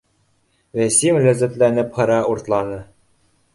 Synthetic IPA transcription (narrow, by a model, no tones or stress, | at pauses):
væsimlæzæ̆t̪lænɘphɤ̆ɾɑuɾt̪lˠɑnɤ